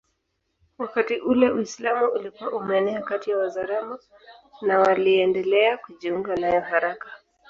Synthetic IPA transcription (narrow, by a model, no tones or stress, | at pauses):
wakatiʔulɛuislamuʔulikuaʔumɛnɛakatijawazaɾama | nawaliɛndɛlɛakuʄiuŋɡanajɔhaɾakḁ